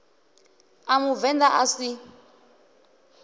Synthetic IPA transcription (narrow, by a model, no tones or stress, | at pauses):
amuvɛndaʔasi